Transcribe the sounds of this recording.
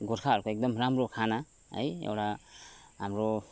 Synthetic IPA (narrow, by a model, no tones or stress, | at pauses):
ɡɔɾkʰaːɾkʰɔɛk̚d̪ɔmɾamɾɔkʰana | a̰jɔ̰wɾa | amɾɔ